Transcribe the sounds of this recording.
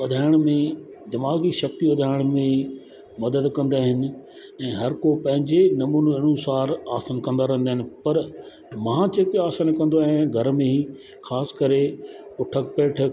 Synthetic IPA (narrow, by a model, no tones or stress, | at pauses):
ɐd̪ʱaːɪɽ̃mẽ | d̪ɪmaːɡiʃɐk̚t̪iʋɐd̪ʱaːɪɽ̃mẽ | mɐd̪əd̪kɐ̃nd̪aːɦɪnɪ̆ | ɛ̃ːɦɐɾkopɐ̃ɦɪ̃ɲd͡ʑenɐmuːnoɪnũsaːɾaːsənkɐ̃n̆d̪aɾɐ̃ɦənd̪aːɦɪnɪ̆pɐɾ | maãd͡ʑeːkeaːsənkɐ̃nd̪oaːɦɪ̃nɡʱɐɾmẽɦiː | xaːskɐɾepʊʈʰəkpeːʈʰə